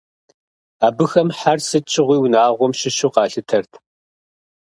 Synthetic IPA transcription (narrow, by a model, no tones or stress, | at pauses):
aːbɨxɐmħarsɨt͡ʃʼʰɪʁʷiːwnaːʁʷɔmʃɪʃuqɑːɬɨtʰɐrtʰ